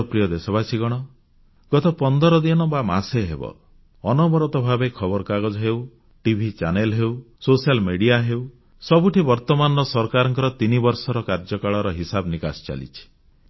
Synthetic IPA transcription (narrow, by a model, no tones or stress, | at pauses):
pɾijɔd̪esɔbasiɡɔɽ̃ɔ | ɡ̥ɔt̪ɔpɔnd̪ɔɾɔd̪inɔbama̰seɦebɔ̰ | ɔnɔbɔɾɔt̪ɔbʱabekʰɔbɔɾɔkaɡɔd͡ʒɔɦew | ʈibʱit͡ʃanelɦew | sosialmeɽiaɦew | sɔbuʈʰibɔɾt̪ɔmanɔsɔɾkaɾɔŋkɔɾɔt̪inibɔɾsɔɾɔkaɾd͡ʒɔkaɭɔɾɔɦisabnikast͡ʃa̰lḭt͡ʃʰi̥